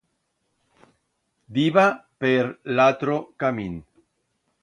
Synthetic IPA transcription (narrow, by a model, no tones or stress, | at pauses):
d̪iβapeɾlat̪ɾokamin